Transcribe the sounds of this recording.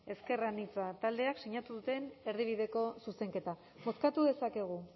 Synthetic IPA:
e̞ske̞ranit͡sat̪ald̪e̞akseɲat̪uðut̪e̞ne̞ɾðiβ̞iðe̞ko̞suse̞ŋke̞t̪a | bo̞skat̪uðe̞sake̞ɣ̞u

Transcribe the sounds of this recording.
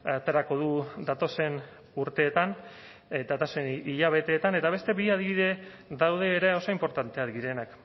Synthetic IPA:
at̪e̞ɾako̞ð̞uðat̪o̞se̞n | uɾt̪e̞ːt̪an | d̪at̪aseniʎaβ̞e̞t̪e̞ːt̪ane̞t̪aβ̞e̞st̪e̞βiað̞iβiðe̞ | ðawðe̞ːɾeo̞so̞impo̞ɾt̪ant̪e̞aðɡiɾe̞nak

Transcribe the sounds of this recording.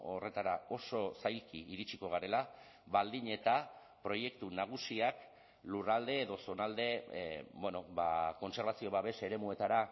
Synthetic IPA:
o̞re̞t̪aɾao̞so̞sajlkiiɾit͡ʃiko̞ɣ̞aɾe̞la | βald̪iɲe̞t̪a | pɾo̞je̞kt̪unaɣ̞usiak | lurald̪e̞ːðo̞so̞nald̪e̞bweno̞bako̞nse̞ɾβasio̞βaβe̞se̞ɾe̞mue̞t̪aɾa

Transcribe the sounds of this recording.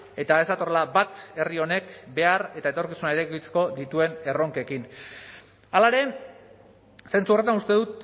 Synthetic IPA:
e̞t̪ae̞zd̪at̪o̞relabat̪e̞rio̞ne̞kbe̞are̞t̪ae̞t̪o̞ɾkisunaeɾekit͡se̥ko̞ðit̪ue̞ne̞ro̞ŋke̞kin | alaeɾe̞ | se̞nt͡suoret̪anust̪e̞ðut̪

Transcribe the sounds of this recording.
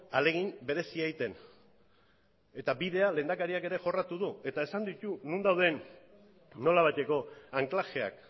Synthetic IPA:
ale̞ɣ̞imbe̞ɾe̞siajt̪e̞n | e̞t̪abiðe̞ale̞ːnd̪akaɾiake̞ɾe̞ʝo̞rat̪uðue̞t̪ae̞sand̪it̪unund̪awð̞e̞nː | o̞laβ̞ajt̪e̞ko̞aŋklaxe̞a̰k

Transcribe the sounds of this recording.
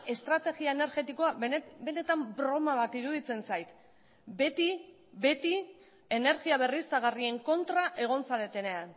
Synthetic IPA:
e̞st̪ɾat̪e̞ɣiaene̞ɾɣe̞t̪iko̞abe̞ne̞t̪ambɾoomaβat̪iɾuðit͡se̞nsajt̪ | be̞t̪i | be̞t̪i | e̞ne̞ɾɣiaβ̞e̞risaɣ̞arie̞ŋko̞nt̪ɾaʔe̞ɣ̞o̞nsale̞t̪e̞ne̞an

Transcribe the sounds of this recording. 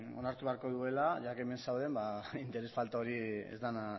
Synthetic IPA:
o̞̰naɾt̪uβeaɾko̞ðue̞laʝakeme̞nsawð̞e̞mbaint̪e̞ɾe̞sfalt̪aoɾiḛzd̪ana

